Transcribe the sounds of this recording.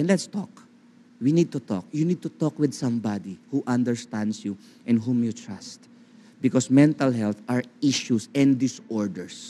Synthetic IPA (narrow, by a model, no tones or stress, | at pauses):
ɛ̃nlɛt̪st̪ɔk | winid̪̚t̪ut̪ɔ̰k̚junid̪̚t̪ut̪ɔkwɪd̪sãmbad̪ihuʔãnd̪ɛɹst̪ãnd̪sju | ʔɛ̃nɦũmjut̪ɹast̪̚ | bɪkɔsmɛ̃nt̪ɐlɦɛlt̪ʔaɹiʃusɛ̃nd̪ɪsɔɹd̪ɛɹs